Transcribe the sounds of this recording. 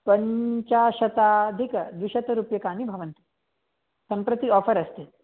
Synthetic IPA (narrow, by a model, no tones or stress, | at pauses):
pɐɲt͡ɕaɕɐt̪ad̪ʱikəd̪wiɕɐt̪ɐɾupjɐkaːnibʱɐʋɐnt̪i̥ | sɐmpɾɐt̪iɔːfəɾɐst̪e